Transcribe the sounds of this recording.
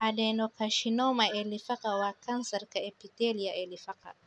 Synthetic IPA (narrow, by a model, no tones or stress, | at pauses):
ʔadɛnɔkaʃinomaɛlifakawakansɐɾkaɛpiteliaʔɛlifaka̰